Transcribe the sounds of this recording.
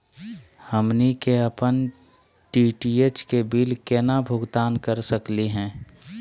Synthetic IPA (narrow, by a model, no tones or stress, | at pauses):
həmnikeəpən | ʈiːʈieːt͡ʃkebiːlkɛːnabʱʊɡt̪aːnkəɾsəkliɦɛ̃ː